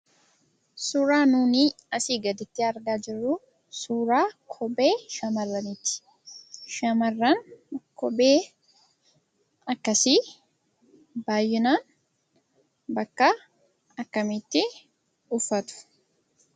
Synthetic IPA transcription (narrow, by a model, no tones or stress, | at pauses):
suːɾaːnuːniːɐsiːɡɐd̪ɪt̪ːiɐɾɡaːd͡ʒɪrːu | suːɾaːkʰɔbe̞ːʃɐmɐrːɐnɪt̪ːɪ̥ | ʃɐmɐrːɐnkɔbeː | ɐkːɐsiː | baːjːɪnaːn | bɐkːɐ | ɐkːɐmɪt̪ːɪ | ʊfːɐt̪ʊ̥